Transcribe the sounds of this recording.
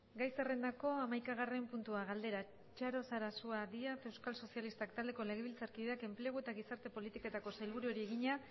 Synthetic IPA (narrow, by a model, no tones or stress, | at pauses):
ɡajsere̞nd̪ako̞amajkaɣ̞are̞mpunt̪uaɣald̪e̞ɾa | t͡ʃaɾo̞saɾasuaðiat̪e̞wskalso̞sialist̪akt̪ald̪e̞ko̞le̞ɣ̞e̞βilt͡saɾkiðeake̞mple̞ɣ̞ue̞t̪aɣisaɾt̪e̞po̞lit̪ikoe̞t̪ako̞sajlβuɾuo̞ɾie̞ɣiɲa